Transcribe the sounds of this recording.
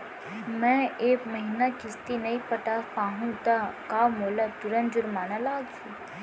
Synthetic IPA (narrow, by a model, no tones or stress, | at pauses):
mɛ̃ekməɦinakɪst̪inəipəʈapãɦũt̪akaʋmolat̪uɾənd͡ʒuɾmanãlaɡt͡ʃʰũ